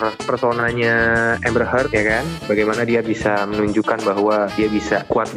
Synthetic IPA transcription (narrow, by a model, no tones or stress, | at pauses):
rpərtonaɲaɛmbəɾɦərk̪jakanbaɡajmanadiabisamənuɲd͡ʒukanbaɦuwadiabisakuat̪̚